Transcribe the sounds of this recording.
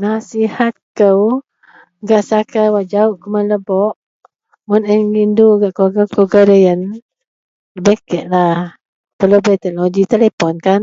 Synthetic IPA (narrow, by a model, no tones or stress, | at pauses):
nasihat̪̚kəw | ɡaʔsakawaʔd͡ʒaʊʔkəmanləbɔʔ | munəŋindoɡaʔkoɡakəɡaɾəjən | əbekɛʔlah | pəlobət̪ɛɔɡit̪elepɔnkan